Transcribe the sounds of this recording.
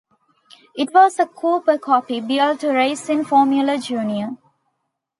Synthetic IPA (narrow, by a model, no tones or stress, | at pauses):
ɪʈʋɔːsəkʰuːpəkʰɔpibilʈuɾeɪsɪ̃nfɔːmjuləd͡ʒuːniə